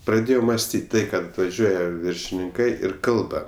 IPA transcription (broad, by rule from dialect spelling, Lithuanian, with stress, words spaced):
prɐˈdʲeːjɛʊ mɐsʲˈtʲiːtʲ ˈtɐɪ kɐt ʋɐˈʒʲuɔjɛ ʋʲɪrʲʃʲɪnʲɪŋˈkɐɪ ɪr ˈkɐlˠbɐ